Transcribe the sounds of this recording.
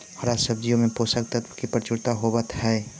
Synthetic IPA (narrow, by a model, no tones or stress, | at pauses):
həɾasəb̚d͡ʒijõmẽposək̚t̪ət̪kipɾət͡ʃuɾt̪aɦobət̪ɦɛː